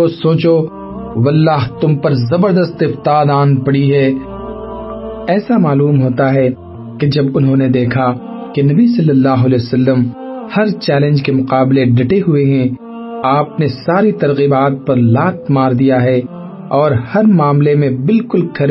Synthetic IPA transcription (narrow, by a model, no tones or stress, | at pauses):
osoːt͡ʃo | wɐlːaːɦt̪ʊmpɐɾzɐbəɾd̪əst̪ɪft̪aːd̪ãːnpɐɽiɦɛː | ɛːsamaːluːmɦoːt̪aɦɛ | ked͡ʒɐbʊnɦõned̪eːkʰa | kenɐbisɐlːəlːaːɦʊɐlɛːosɐlːəm | hɐɾt͡ʃɛːlə̃nd͡ʒkemʊqaːbleɖʱɐʈeɦʊeɦɛ̃ | aːpnesaːɾit̪ɐɾɣiːbaːt̪̚pɐɾlaːt̪̚ʰmaːɾd̪ijaɦɛ | ɔːɾhɐɾmaːmlemẽbɪlkʊlkʰɐɾ